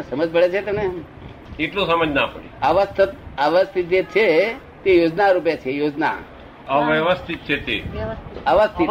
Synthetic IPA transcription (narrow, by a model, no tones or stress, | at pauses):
səməd͡ʒbʱəɭet͡ʃʰet̪əmne | iʈlõsəməd͡ʒnapəɽḭəʋəst̪ʰət̪̚əʋəst̪ʰit̪̚d͡ʒet͡ʃʰe | t̪ejod͡ʒnaɾup̬jat͡ʃʰejod͡ʒna̰ | əʋjəʋəst̪ʰit̪̚t͡ʃʰet̪eəʋəst̪ʰit̪